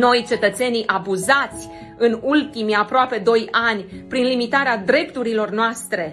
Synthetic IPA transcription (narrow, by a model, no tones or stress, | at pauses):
no̞jt͡ʃe̞t̪ət̪se̞niʔabuzat̪sʲ | ɨnult̪imiapɾoape̞d̪o̞janʲpɾinlimit̪aɾead̪ɾe̞pt̪uɾilo̞rnoast̪ɾe̞